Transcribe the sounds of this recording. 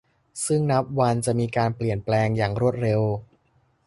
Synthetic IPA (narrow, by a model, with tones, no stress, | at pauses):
sɯ˥˩ŋna˦˥p̚wa˧nt͡ɕa˨˩miː˧kaː˧npli˨˩ənplɛː˧ŋjaː˨˩ŋɾu˥˩ət̪̚ɾe˧w